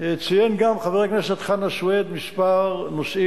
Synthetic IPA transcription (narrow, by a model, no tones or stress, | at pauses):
et͡sijenɡamχaveʁekneʃet̪χanaʃwed̪mispaʁnoʃi